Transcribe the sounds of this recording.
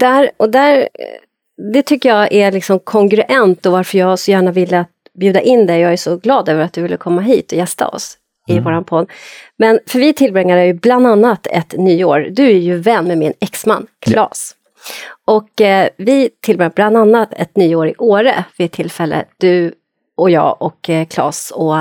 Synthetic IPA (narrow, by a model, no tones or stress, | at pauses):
d̪̥æɾɔd̪æɾ | d̪ɛt̪ʰʏkːəjɑʔæɭɪksɔmkʰɔŋkɾɵʔɛnt̪ɔvaɾfœɾjɑːɡsɔjæːɳavɪlːəat̪̚ | bjʉːd̪aʔɪnd̪ɛjɑːɡæʂɔɡlɑːd̪øːvəɾat̪̚d̪ɵvɪlːəkʰɔmːaɦḭːt̪ɔjɛst̪a̰ɔ̰s | ɪvoːɾanpʰɔd̪mɛnfœɾvɪt̪ʰɪlbɾɛŋːaɾəjɵbland̪anːat̪ɛ̰t̪nyːo̰ːɾd̪ɵæɾjɵvɛnːmɛmɪnɛksma̰nːkʰlɑ̰ːs | ʔɔkvɪt̪ʰɪlbɾɛŋːabland̪anːat̪ʰɛ̰t̪nyːoːɾɪʔoːɾə̰vɪɛt̪ʰːɪlfɛlːʔə̰d̪̥ɵ | ɔjɑ̰ːʔɔkkʰlɑ̰ːsɔ